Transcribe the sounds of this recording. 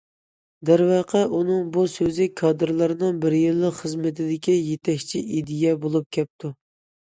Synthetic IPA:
d̪æɾwɑːqʰɛʔunɨŋbusøzɪkʰɑd̪ɨɾlˠɨɾɨnɨŋbɪɾjilˠːəqχəzmɪt̪ʰɪd̪ɪkʲijet̪ʰɛkʲt͡ʃʰiʔid̪ijɛbolˠup̚kʲʰɛp̚t̪ʰu

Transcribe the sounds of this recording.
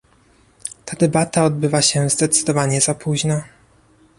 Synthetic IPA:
t̪ʰad̪ɛbat̪aɔd̪bɘvaɕɛzd̪ɛt̪sɘd̪ɔvaɲɛzapuʑnɔ

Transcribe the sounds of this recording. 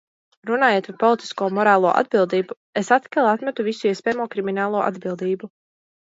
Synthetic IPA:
ɾunaːjeːt̪paɾpɔlˠit̪i̥skuɔmɔɾaːlˠuɔʔa̰d̪̚bilˠd̪iːbu | esat̪kʲalˠat̪mɛt̪uvisuiɛspɛːmuɔkɾiminaːlˠuɔʔa̰d̪bilˠd̪iːbu

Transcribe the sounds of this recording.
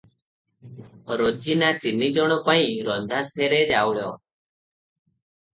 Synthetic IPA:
ɾoːd͡ʒinaːt̪inid͡ʒɔɽ̃õpaːĩɾɔnd̪ʱaːseːɾeːd͡ʒaːʋɭjɔ̰ː

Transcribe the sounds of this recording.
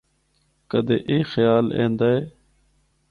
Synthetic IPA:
kəd̪eːʔeːxəjaːlḛ̃ːnd̪aːɦeː

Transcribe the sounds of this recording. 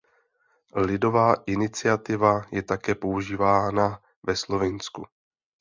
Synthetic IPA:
lɪdo̞vaːʔɪnɪt͡sɪat̪ɪvajɛt̪akɛːpo̞uʒiːvaːna | vɛslo̞vɪnsku

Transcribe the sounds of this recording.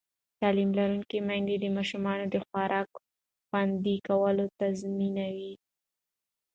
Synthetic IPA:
t̪ɑlimlaɾuŋkimajnd̪ed̪əmɑʃumɑnod̪əxwɑɾʔɑk | xwand̪ikawəlot̪azminawi

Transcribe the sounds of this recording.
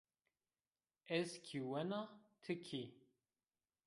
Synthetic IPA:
ɛskʰiwænəʁt̪ʰəkʰːi

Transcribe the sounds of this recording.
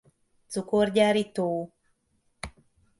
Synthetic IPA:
t͡sukorɟaːɾit̪oː

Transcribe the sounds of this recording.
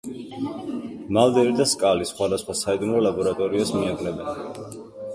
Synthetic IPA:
malˠd̪ɛɾid̪askʼalisχwad̪asχwasaid̪umɾɔlabɔɾat̪ʼɔɾiasmiaɡlɛbɛn

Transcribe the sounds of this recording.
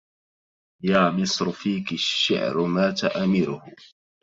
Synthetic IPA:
jaːmɪsˤɾʊfiːkɪʃːɪ̰ʕɾʊmaːt̪aʔamɪɾʊhʊ

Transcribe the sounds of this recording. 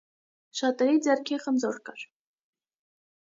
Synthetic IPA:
ʃɑt̪ʼɛɾid͡zɛɾkʰɛχənd͡zɔɾkɑɾ

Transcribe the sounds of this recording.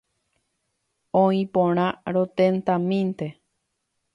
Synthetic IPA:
õĩpõɾ̃ãɾot̪ẽnt̪amĩnt̪e

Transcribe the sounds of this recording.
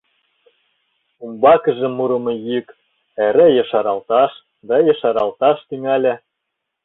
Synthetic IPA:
umbɑkə̆ʒĕmuɾɤ̆mɤ̆jyk | eɾĕjɤʃɑɾɑlt̪ɑʃ | d̪ɑjɤ̆ʃɑɾɑlt̪ɑʃt̪yŋælʲæ̆

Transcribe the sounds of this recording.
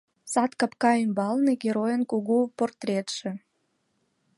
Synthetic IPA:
sɑt̪kɑpkɑymbɑlneɡʲeɾojənkuɣuport̪rʲet̪ʃĕ

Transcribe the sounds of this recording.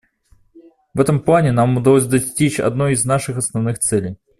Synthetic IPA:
vɛt̪əmplˠanʲɪnamʊd̪ɐlˠos̬ʲd̪ɐsʲtʲit͡ɕɐ̰d̪nojɪznaʂɨxɐsnɐvnɨxt̪sɛlʲɪj

